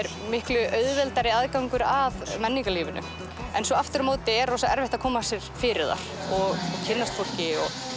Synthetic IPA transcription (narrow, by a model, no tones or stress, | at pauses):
ɛɾ | mɪhklʏʔœɥðvɛlt̪aɾɪaðkawŋkʏɾaðmɛnːiŋkaliːvɪnʔʏ̰ | ɛnsɔaft̪ʏɾmoːwt̪ɪɛɾɔsaɛɾvɛht̪akʰɔːmasjɛɾ̥fɪːɾɪɾða̰ɾ̥ɔɣcʰɪnːast̪fowl̥cɪɔɣ